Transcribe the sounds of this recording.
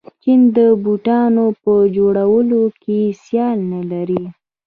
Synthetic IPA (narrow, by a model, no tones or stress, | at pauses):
t͡ʃind̪əbuʈɑnopəd͡ʒoɽawəlokesjɑlnalaɾi